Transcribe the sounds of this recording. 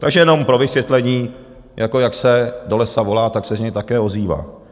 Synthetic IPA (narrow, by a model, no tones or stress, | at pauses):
t̪aɡʒɛjɛno̞mpɾo̞vɪsvjɛt̪lɛɲiː | jʔako̞jaksɛdo̞lɛsavo̞laːt̪aksɛzɲɛjt̪akɛːo̞ziːva̰ː